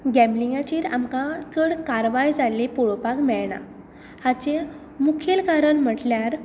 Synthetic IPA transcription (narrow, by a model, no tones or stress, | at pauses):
ɡɛ̃mbliŋɡat͡ɕiːɾamkãt͡səɽkaɾʋajd͡zalepɔɭopakmɛɭɳa̰ | hat͡ɕe | mukʰelkaɾəɳm̤əʈljaɾ